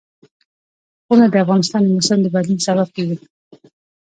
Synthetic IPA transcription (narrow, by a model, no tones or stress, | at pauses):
ɣunad̪əafɣɑnɪs̬t̪ɑnd̪əmʊsəmd̪əbalinsabab̚kewi